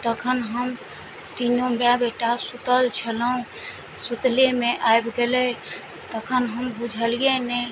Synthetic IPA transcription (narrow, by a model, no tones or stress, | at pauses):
t̪əkʰənɦəm | t̪inobjabeʈasut̪əlt͡ʃʰələɦũ | sut̪lemeʔajbɡelɛ | t̪əkʰənɦəmbud͡ʒʱəlijenɛ